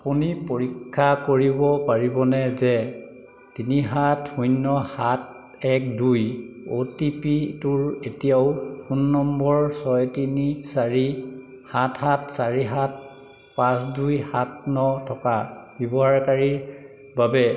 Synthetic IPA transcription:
apunipoɹikʰːakoɹibɔpaɹibɔnɛzɛ | tiniɦathujnːɔhat̚ | ɛk̚duj | otipituɹetijaʊxunːɔmbɔɹsɔjtinisaɹi | hathatsaɹiɦat̚ | pãs̬dujhatnɔtʰɔkabjɔbɔɦaɹkaɹiɹ | babɛ

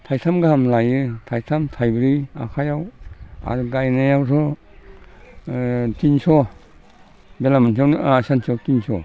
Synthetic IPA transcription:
tʰajtʰamɡaamlajɯtʰajtʰamtʰajbɾia̰kʰajawa̰ɾɡajnajawsɔ | tinsɔ | belamant̬ʰiawnasantʰiɔwtinsɔ

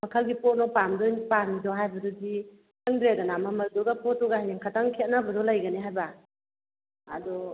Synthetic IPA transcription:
mɐkʰalɡipɔt̚nɔpamdɔnipamidɔɦajbɐdɔdi | taŋdɾedanamamɐɾdɔɡapɔt̚ːɔɡahajniŋkʰataŋkʰet̚nabɐdɔlajɡɐniɦajba | a̰dɔ

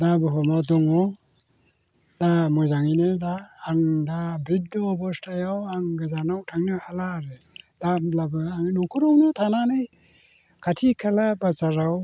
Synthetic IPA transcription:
dabɯɦɔmadɔŋɔ | damɔjzaŋinedaːŋdabɾid̚dɔbɔstʰajawaŋɡɯzanawtʰaŋnɯhalaɾe | dalabɯaŋnɔŋkʰuɾɔwnutʰananɯj | kʰatʰikʰalabat͡ʃaɾaw

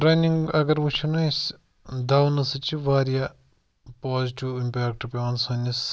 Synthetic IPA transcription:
ɾɐniŋɡɐɡɐɾʋut͡ʃʰunɐs | d̪aːwnɐsɨt͡ʃiʋaːɾija | poːziʈiwimpʲaːk̚ʈpʲaːnsɐnis

